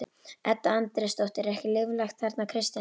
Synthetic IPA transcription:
ɛt̪ːaant̪ɾɪst̪ɔht̪ɪɾɛhcɪlɪːvlaxt̪θaɾt̪nakʰɾɪst̪ja

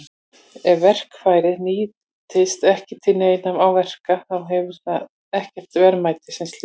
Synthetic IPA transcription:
ɛvɛr̥kfaːjɾɪniː | t̪ʰɪst̪ɛhcɪt̪ʰɪnːeɪnamawvɛr̥kaθawɦɛvʏɾ̥θa | ɛhcɛr̥t̪vɛɾmaːjt̪ɪsɪnsl

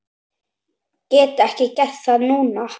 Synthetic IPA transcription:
cɛːt̪ɛhcɪcɛθanuːna

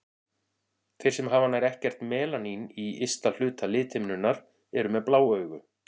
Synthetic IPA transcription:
θʰɪjɾ̥sɛmɦaːvanːajɾɛhcɛr̥t̪mɛːlaniniɪst̪al̥ʏːt̪alɪːt̪ʰɪmnʏnːaɾ̥ | ɛɾʏmɛðplaːwœːɥɣʏ

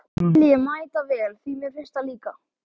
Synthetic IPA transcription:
ljɪmaːjt̪avɛːlθimɛðfɪr̥st̪aliːka

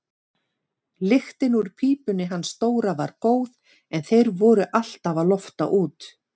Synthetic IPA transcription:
lɪxt̪ɪnuɾ̥pʰiːpʏnːɪɦanst̪oːwɾava̰ɾ̥koːwð | ɛnθejɾvɔɾʏʔal̥t̪avaðlɔft̪a̰ʔuːt̪

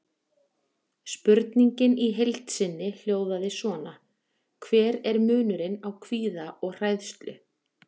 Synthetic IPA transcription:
spʏɾt̪niɲcɪniɦejlt̪sɪnːɪl̥joːwðaðɪsvɔna | kʰvɛːɾɛɾmʏːnʏɾɪnawkʰviːðaʔɔɣr̥aːjðst̪lʏ̰

